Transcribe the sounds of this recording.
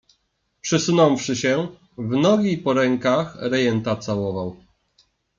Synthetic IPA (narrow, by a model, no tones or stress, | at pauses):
pʂɘsunɔ̃wfʂɘɕɛ | vnɔɡʲipɔɾɛŋkaxɾɛjɛnt̪at̪sawɔvaw